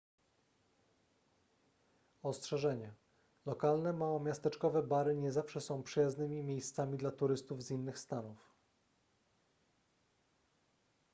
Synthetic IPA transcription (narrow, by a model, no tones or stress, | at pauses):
ɔstʂɛʐɛɲɛ | lɔkalnɛmawɔmʲjast̪ɛt͡ʂkɔvɛbaɾɘɲɛzafʂɛsɔ̃w̃pʂɘjaznɘmʲimʲjejst̪samʲid̪lat̪uɾɘst̪uvzinːɘxst̪anuf